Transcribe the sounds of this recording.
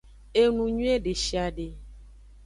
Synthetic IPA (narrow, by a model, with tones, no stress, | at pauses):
e˦nũ˨ɲũ˦e˦ɖe˨ʃi˨a˨ɖe˨